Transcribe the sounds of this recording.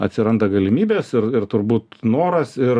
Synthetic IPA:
ɐt̪ʲsʲɪɾɐnd̪ɐɡɐlʲɪmʲiːbʲeːsɪɾɪrt̪ʊɾbuːt̪noːɾɐsɪr

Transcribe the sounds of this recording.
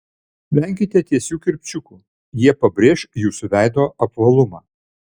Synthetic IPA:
lʲæˑŋʲkʲɪt̪ʲɛt̪ʲiɛsʲuːkʲɪɾʲpʲt͡ʃʲʊkuː | jiɛpɐbʲɾʲeːʃjuːsʊʋʲæˑɪd̪oːɐpʋɐlˠʊmɑː

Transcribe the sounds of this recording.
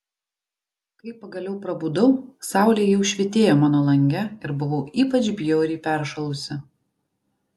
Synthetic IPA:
kɐɪpːɐɡɐlʲɛʊpɾɐbud̪ɐʊsɑˑʊlʲejɛʊʃʲʋʲɪt̪ʲeːjoːmɑːnoːlˠɐŋʲɡʲɛɪɾbʊʋɐʊʔiːpɐt͡ʃʲbʲjoːɾʲiːpʲæˑɾʃɐlˠʊsʲɪ

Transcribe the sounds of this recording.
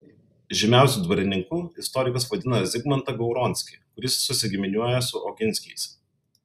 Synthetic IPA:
ʒʲɪmʲæˑʊsʲuːˑd̪ʋɐɾʲɪnʲɪŋkuɪst̪ɔɾʲɪkɐsʋɐd̪ʲɪnɐzʲɪɡmɐnt̪ɐɡɐʊɾɔnʲsʲkʲɪkʊɾʲɪsːʊsʲɪɡʲɪmʲɪnʲuɔjɛsʊʔɔkʲɪnʲsʲkʲɛɪs

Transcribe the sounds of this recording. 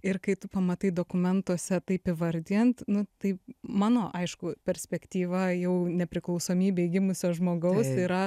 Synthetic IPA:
ɪrkɐɪt̪ʊpɐmɐt̪ɐɪd̪oːkʊmʲɛnt̪uɔsʲɛt̪ɐɪpɪʋɐɾʲd̪ʲɪjɛnt̪nʊt̪ɐɪmɑːnoːʔɐɪʃkʊpʲɛɾʲsʲpʲɛkt̪ʲiːʋɐjɛʊnʲɛpʲɾʲɪklˠɐʊsoːmʲiːbʲɛɡʲɪmʊsʲoːʒmoːɡɐʊsiːɾɐ

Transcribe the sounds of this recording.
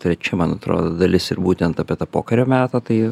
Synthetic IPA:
t̪ʲɾʲɛt͡ʃʲɪmɐnɐt̪ɾo̰ːd̪oːd̪ɐlʲɪsɪrbuːt̪ʲɛnt̪ɐːpʲiɛt̪ɐpoːkɐɾʲoːmʲæːt̪ɐt̪ɐɪ

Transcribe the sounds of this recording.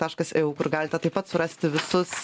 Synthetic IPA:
t̪ɑːʃkɐsɛuːkʊɾɡɑːlʲɪt̪ʲɛt̪ɐɪpɐt̪sʊɾɐsʲt̪ʲɪʋʲɪsʊs

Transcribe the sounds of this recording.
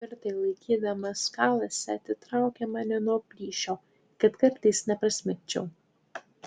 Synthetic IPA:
ɐɾʲt̪ɐɪlˠɐɪkʲiːd̪ɐmɐskɑːlˠɐsʲɛɐt̪ʲɪt̪ɾɑˑʊkʲɛmɑnʲɪnuɔpʲlʲiːʃʲoː | kɐt̪kɐɾʲt̪ɐɪsnʲɛpɾɐsʲmʲɛnʲt͡ʃʲɛʊ

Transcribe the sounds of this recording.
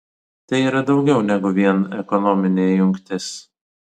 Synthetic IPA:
t̪ɐɪiːɾɐd̪ɒʊɡʲɛʊnʲɛɡʊʋʲiɛnɛkɔnɔmʲɪnʲeːjʊŋʲkt̪ʲɪs

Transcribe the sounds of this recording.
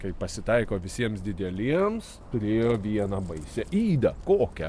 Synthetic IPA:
kɐɪpɐsʲɪt̪ɐɪkoːʋʲɪsʲiɛmsd̪ʲɪd̪ʲɛlʲiɛmst̪ʊɾʲeːjoːʋʲiɛnɑbɐɪsʲɛiːd̪ɐkoːkʲɛ̰

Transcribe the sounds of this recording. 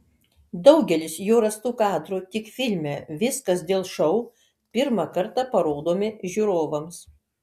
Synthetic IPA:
d̪ɒʊɡʲɛlʲɪsjoːɾɐst̪uːkɑːd̪ɾuːt̪ʲɪkfʲɪlʲmʲɛʋʲɪskɐsd̪ʲeːlˠʃɐʊ | pʲɪɾmɑkɐɾt̪ɑpɐɾoːd̪oːmʲɪʒʲuːɾoːʋɐms

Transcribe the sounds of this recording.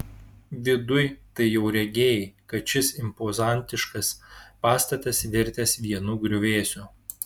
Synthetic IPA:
ʋʲɪd̪ʊjt̪ɐɪjɛʊɾʲɛɡʲeːjkɐt̪ʃʲɪsɪmpozɑˑnʲt̪ʲɪʃkɐspɑːst̪ɐt̪ʲɐsʋʲɪɾʲt̪ʲɛsʋʲiɛnuːɡɾʲʊʋʲeːsʲʊ

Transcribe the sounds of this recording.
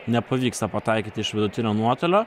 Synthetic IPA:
nʲɛpʰoʋʲiːkst̪ɐpɐt̪ʰɑɪkʲɪt̪ɪʃʋʲɪd̪ʊt̪ʰʲɪnʲonuɔt̪ɐlʲo

